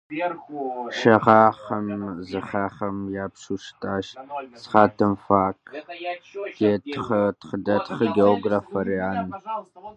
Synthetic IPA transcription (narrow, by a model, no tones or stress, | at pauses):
ʃɐʁɑːχɐmzɨχaːχɐmjaːpʂuːʃtʼaːʃsχaːtʰɨmfaːkʰ | jetʰχɐtχədɐtχɐɡeoɡraːfɐriaːn